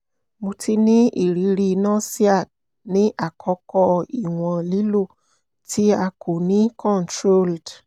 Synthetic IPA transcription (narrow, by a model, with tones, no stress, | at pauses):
mõ˧tʰi˧nĩ˦ḭ˨ɾi˨˦ɾi˧nã˦˨si˦a˦˨d | nĩ˨˦ʔa˦˨kʰɔ˨˧˦kɔ˧i˨w̃ɔ̃˨li˨˦lo˦˨ | ti˦a˧kʰo˨nĩ˨˦kɔ̃˦˨ntɾo˦ld